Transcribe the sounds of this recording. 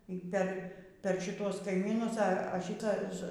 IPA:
iː ˈpʲɛr ˈpʲɛr ʃʲɪˈtuɔs kɐɪˈmʲiːnʊs ɐ ɐ ˈʃʲiːtɐs

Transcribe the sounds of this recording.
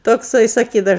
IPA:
toːkˈsɐɪ sɐˈkʲiːdɐʊ

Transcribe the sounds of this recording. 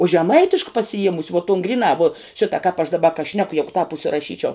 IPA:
ʊ ʒʲɛˈmɐɪtʲɪʃk pɐsʲɪˈjiɛmʊsʲɪ ʋuɔ toːn ɡrʲɪˈnɑː ʋuɔ ˈʃʲɪtɐ kɑːp ɐʃ dɐˈbɐ kɐ ˈʃʲnʲæːkʊ ˈjæːɡʊ tɑːp ʊʃʲsʲɪrɐˈʃʲiːt͡ʃʲɛʊ

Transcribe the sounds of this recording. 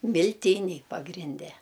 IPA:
mʲɪlʲˈtʲiːnʲɛɪ pɐɡrʲɪnʲˈdʲɛ

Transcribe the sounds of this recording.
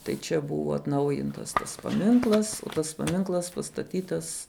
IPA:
tɐɪ ˈt͡ʃʲɛ ˈbʊʋɐ ɐtˈnɐʊjɪntɐs tɐs pɐˈmʲɪŋklˠɐs oː ˈtɐs pɐˈmʲɪŋklˠɐs pɐstɐˈtʲiːtɐs

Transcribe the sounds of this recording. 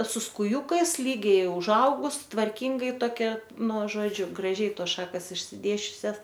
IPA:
sʊ skʊˈjuːkɐɪs ˈlʲiːɡʲɛɪ ʊʒˈɐʊɡʊs tʋɐrʲˈkʲɪŋɡɐɪ toːˈkʲɛ ˈnʊ ˈʒoːd͡ʒʲʊ ɡrɐˈʒʲɛɪ ˈtoːs ˈʃɑːkɐs ɪʃʲsʲɪˈdʲeːsʲt͡ʃʲʊsʲɛs

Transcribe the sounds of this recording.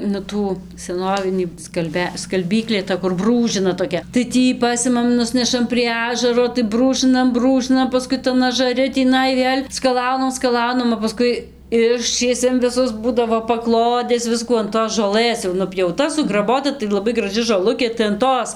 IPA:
nʊ ˈtuː sʲɛˈnoːʋʲɪnʲiː skɐlʲˈbʲɛ skɐlʲˈbʲiːklʲeː tɐ kʊr ˈbruːʒʲɪnɐ toːˈkʲɛ tɐɪ ˈtʲiː ˈpɑːsʲɪmɐm ˈnʊsʲnʲɛʃɐm pʲrʲiɛ ˈɑːʒɐroː tɐɪ ˈbruːʒɨnɐm ˈbruːʒɨnɐm pɐˈskʊɪ tɐn ɐʒɐˈrʲɪ tʲiːˈnɐɪ ˈʋʲeːlʲ skɐˈlˠɐʊnɐm skɐˈlˠɐʊnɐm oː pɐˈskʊɪ ˈɪʃʲt͡ʃʲiɛsʲɛm ʋʲɪˈsʊs ˈbuːdɐʋoː pɐˈklˠoːdʲɛs ˈʋʲɪskuː ɐn toːs ʒoːˈlˠɘs jɛʊ nʊpʲjɛʊˈtɐ sʊɡrɐˈboːtɐ tɐɪ lˠɐˈbɐɪ ɡrɐˈʒʲɪ ʒoːˈlˠʊkʲeː tɐɪ ɐn ˈtoːs

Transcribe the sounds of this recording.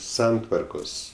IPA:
ˈsɐntʋɐrkoːs

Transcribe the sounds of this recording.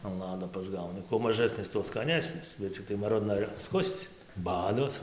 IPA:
ɐn ˈlˠɑːdoː pɐzˈɡɐʊnʲɪ kuɔ mɐˈʒɑːsʲnʲɪs tuɔ skɐˈnʲæːsʲnʲɪs bʲɛt t͡sʲɪkˈtɐɪ mɐˈrʊdnɐ ɪr ɐpˈskʊsʲt͡sʲ ˈbɑːdoːs

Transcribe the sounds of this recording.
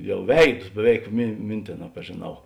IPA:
ˈjɛʊ ˈʋʲɛɪdʊs bʲɛˈʋʲɛɪk mʲɪ ˈmʲɪnʲtʲeːˌnɑː pɐʒʲeːˈnɐʊ

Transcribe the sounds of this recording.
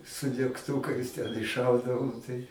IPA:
sʊ dʲɛkˈtuːkɐɪs tʲɛn ɪʃˈʃɐʊdɐʋoːm tɐɪ

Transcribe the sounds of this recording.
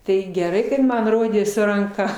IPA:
ˈtɐɪ ɡʲɛˈrɐɪ kɐt ˈmɐn ˈroːdʲeː sʊ rɐŋˈkɐ

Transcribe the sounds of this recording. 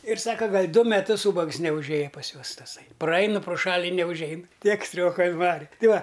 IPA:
ɪr ˈsɑːkɐ ˈɡɐlʲ ˈdʊ mʲɛˈtʊs ˈuːbɐks nʲɛʊʒʲˈeːjɛ pɐs ˈjuɔs tɐˈsɐɪ prɐˈɐɪn proː ˈʃɐlʲ ɪ nʲɛʊʒʲˈɛɪn ˈtʲiɛk ˈsʲtʲrʲoːkɐ ɪnˈʋɑːrʲɪ ˈtʲɪ ˈʋɐ

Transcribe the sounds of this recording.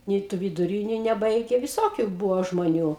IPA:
ˈnʲɛɪ tʊ ʋʲɪdʊˈrʲiːnʲʊ nʲɛˈbɐɪɡʲɛ ʋʲɪˈsoːkʲʊ ˈbuːʋoː ʒmoːˈnʲuː

